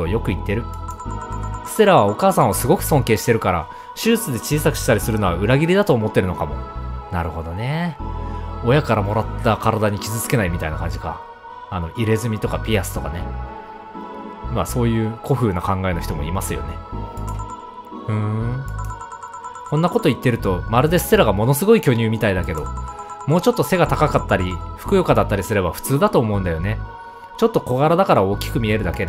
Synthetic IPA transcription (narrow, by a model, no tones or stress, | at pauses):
ojo̞kɯ̟it̪ːe̞ɾɯ̟ | sɨ̥seɾaβao̞kaːsãɰ̃osɨɡo̞kɯ̟̥sõ̞ŋke̞ːɕi̥t̪e̞ɾɯ̟kaɾa̰ | ɕɨːt͡sɨd̪e̞t͡ɕiːsakɯ̟̥ɕi̥t̪aɾʲisɨɾɯ̟no̞βaɯ̟ɾaɡʲiɾʲid̪at̪o̞ːmo̞t̪ːe̞ɾɯ̟no̞kamo̞̰naɾɯ̟ho̞d̪o̞ne̞ | o̞jakaɾamo̞ɾat̪ːakaɾad̪aɲ̟ikʲizɨt͡sɨ̥ke̞naimʲit̪ainakãɲ̟d͡ʑika̰ː | no̞ʔiɾe̞zɨmʲit̪o̞kapʲiasɨ̥t̪o̞kane̞ | maso̞ːjɯ̟ːko̞ɸɯ̟ːnakãŋɡae̞no̞çi̥t̪o̞mo̞̰ḭmasɨjo̞̰ne̞ | ɯ̟̃ː | kõ̞nːako̞t̪o̞it̪ːe̞ɾɯ̟t̪o̞maɾɯ̟d̪e̞sɨ̥se̞ɾaɡamo̞no̞sɨɡo̞ikʲo̞ːɲ̟ʲɨːmʲit̪aid̪ake̞d̪o̞mo̞ːt͡ɕo̞t̪ːo̞se̞ɡat̪akakat̪ːaɾʲiɸɯ̥kɯ̟jo̞kad̪at̪ːaɾʲisɨɾe̞baɸɯ̟̥t͡sɨːd̪at̪o̞ːmo̞ɯ̟̃nd̪ajo̞ne̞ | t͡ɕot̪ːo̞ko̞ɡaɾad̪akaɾao̞ːkʲi̥kɯ̟mʲie̞ɾɯ̟d̪ake̞d̪